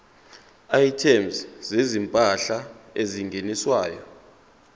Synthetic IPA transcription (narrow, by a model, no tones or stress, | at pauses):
ajtʰɛmszezimpʼaɬaeziŋɡʱeniswaːjɔ